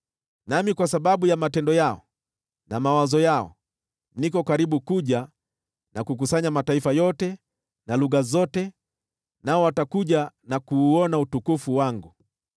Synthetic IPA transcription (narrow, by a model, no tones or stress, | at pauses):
namikwasaɓaɓujamatɛndɔjaɔ̰ | namawazɔjaɔ̰ | nikɔkaɾiɓukuʄa | nakuk̬usaɲamataifajɔtɛ | naluɣazɔtɛ | naɔwatakuʄa | nakuːɔnautukufuwaŋɡu